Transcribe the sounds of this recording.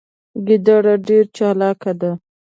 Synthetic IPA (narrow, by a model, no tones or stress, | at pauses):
ɡid̪ɑɽaɖeɾt͡ʃɑlɑkad̪a